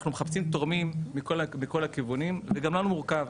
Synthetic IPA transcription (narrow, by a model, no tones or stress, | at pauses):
χnumeχapsimt̪o̞ʁmimːikolamiko̞lakivunimveɡamlanumuʁkav